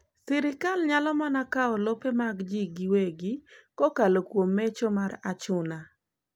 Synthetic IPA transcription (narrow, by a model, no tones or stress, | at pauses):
sɪɾɪkalɲalɔmanakaɔlopemaɡd͡ʒiɡɪweɡɪkɔkalokwomːet͡ʃɔmaɾat͡ʃʊna